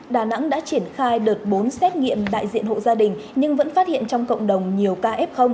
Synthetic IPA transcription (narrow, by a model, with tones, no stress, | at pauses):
ɗaː˨˩na̰˧˥ŋɗa̰ː˧˥t͡ɕi˧˩ənxaː˧jɗəː˨˩t̚ɓo˨˦nsɛ˦˥t̚ŋḭ˧˨əmɗa̰ː˧˨jzḭ˧˨ənɦo̰˧˨zaː˧ɗï˨˩ŋ̟ɲɨ˧ŋvə̰˧˥nfaː˦˥t̚hḭ˧˨ənt͡ɕɔ˧wŋ͡mkə̰˧˨wŋ͡mɗə˨˩wŋ͡mɲi˨˩əwkaː˧ʔɛ˦˥p̚xə˧wŋ͡m